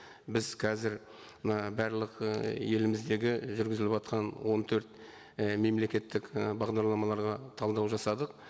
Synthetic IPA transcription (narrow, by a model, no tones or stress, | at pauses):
bɪzqʰɑzɪɾ | mənɑbæɾlˠəqje̞lɪmɪzd̪e̞ɡʲɪʒʏɾɡʲɪzɪlɪpɑt̪̚qʰɑnwo̞nt̪ʰɵɾt̪ | me̞mle̞kʲe̞t̪ːɪkbɑʁd̪ɑɾlˠɑmɑlˠɑɾʁɑt̪ʰɑlˠd̪ɑwʒɑsɑd̪əq̚